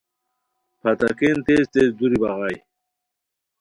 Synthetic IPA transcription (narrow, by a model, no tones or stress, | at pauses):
pʰɐt̪ɐkent̪ezt̪ezd̪uɾibɐʁaj